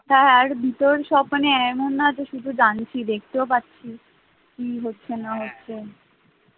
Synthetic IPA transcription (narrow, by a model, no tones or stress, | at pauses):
ɔt̪ʰaeaɾbʱit̪oɾʃɔponeɛmonːat̪oʃud̪ʱud͡ʑant͡ɕʰid̪ek̚ʰt̪eopatːɕʰi | kiɦotːɕʰenaɦotːɕʰe